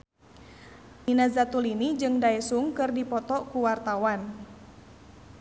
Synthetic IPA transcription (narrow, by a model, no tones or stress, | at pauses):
ʔinazat̪ulinid͡ʒɨŋdaɛsuŋkɨrdipɔt̪ɔkuwart̪awan